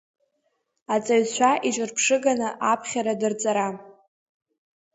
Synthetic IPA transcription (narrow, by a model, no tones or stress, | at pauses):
at͡sʼaɥt͡ɕʷʰaʔit͡ʃʷʼɨrpʰʂɨɡanɨʔapʰχʲaɾadɨrt͡sʼaɾa